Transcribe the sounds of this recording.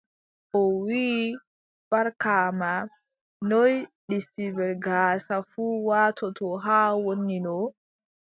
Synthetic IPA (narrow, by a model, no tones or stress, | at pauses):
ʔɔwiː | b̥aɾkaːma | nɔjɗistibɛlɡaːsafuwaːtʰɔtɔɦaːwonːinɔ